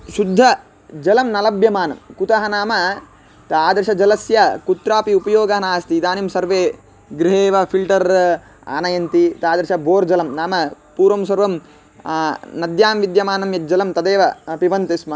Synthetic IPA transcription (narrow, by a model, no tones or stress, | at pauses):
ʃud̪ʱːɐ | d͡ʒɐlɐmnɐlɐbjɐmaːnɐ̰mkut̪ɐɦɐnaːmɐ | t̪aːd̪ɾʃɐd͡ʒɐlɐsjɐkut̪ɾaːpiupɐjoːɡɐɦɐnaːst̪id̪aːnimsɐɾʋeː | ɡɾiɦeːʋɐpʰilʈɐɾ | a̰ːnɐjɐnt̪it̪aːd̪ɐɾʃɐbʱoːɾd͡ʒɐlɐmnaːmɐ | puːɾʋɐmsɐɾʋɐm | nɐd̪jaːmʋid̪jɐmaːnɐmjɐt̪̚d͡ʒɐlɐmt̪ɐd̪eːʋɐpiʋɐnt̪ismɐ